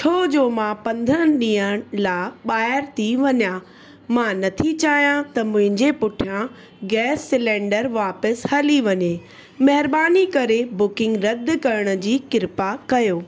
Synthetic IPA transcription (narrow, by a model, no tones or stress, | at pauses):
t͡ɕʰoːd͡ʑoːmãpɐ̃nd̪ʱənɗĩːəɽ̃laːɓaːɪɾt̪ʰiʋɐɲãː | mãnɐt̪ʰit͡ɕaːɦijãt̪ɐmʊ̃ɦɪ̃ɲd͡ʑepʊʈʰijã | ɡɛːsːɪlɛ̃ːɳɖəɾʋaːpəshɐliʋɐɲeː | mɐɦɪɾbaːnikɐɾebʊkɪ̃ŋɡɾɐd̪kɐɾəɽ̃ʊ̆d͡ʑiːkɪɾpakɐjoː